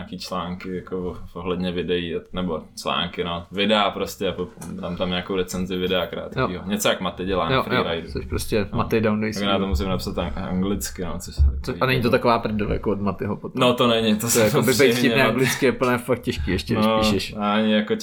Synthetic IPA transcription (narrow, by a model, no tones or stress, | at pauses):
aːkiːt͡ʃlaːŋkɪjakooɦlɛdɲɛvɪdɛianɛbot͡ʃla̰ːŋkɪnovɪdɛapɾoscɛapodaːmt̪amɲaːkowɾɛt͡sɛnzɪvɪdɛakɾa̰ːt̪kjoiːɦoɲɛt͡sojakmat̪ɪɟɛlaːjofɾjoɾajdut͡ssoʃpɾoscɛmat̪ɪdawnoisnat̪omuːs̬ɪmnapsat̪aa̰ŋɡlɪt͡skɪnot͡soʃsɛt͡soanɛɲit̪ot̪akovaːpɾdolja̰koodmat̪ɪɦopot̪not̪onɛɲɪt̪osjaovɪpɛjɪnɛːʔaŋɡlɪt͡skɪɛplnɛːfak̚t̪̚cɛʃkiːɛʃcɛdnɪʃpiːʃɛʃaaɲɪjako